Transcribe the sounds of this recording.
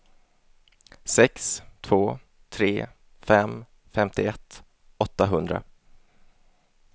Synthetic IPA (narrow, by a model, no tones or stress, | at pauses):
sɛkst̪ʰvoː | t̪ʰɾeː | fɛm | fɛmt̪ɪɛt̪ː | ɔt̪ːaɦɵnd̪ɾa̰